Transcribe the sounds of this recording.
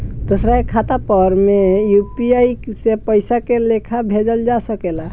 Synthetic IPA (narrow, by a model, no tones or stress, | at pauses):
d̪osɾaekʰat̪apəɾmejupiaiksepəɪsakelekʰabʱed͡ʒəld͡ʒasəkela